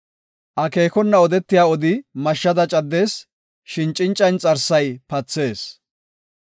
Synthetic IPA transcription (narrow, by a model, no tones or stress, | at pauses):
ʔɐke̞ːkɔnːɐɔd̪ɛt̪ːɪjaːɔd̪ɪmɐʃːɐd̪ɐt͡ʃʼɐd̪ːe̞ːs | ʃɪnt͡ʃʼːɪnt͡ʃʼːɐnt͡sʼɐɾsɐjpɐt͡sːe̞ːs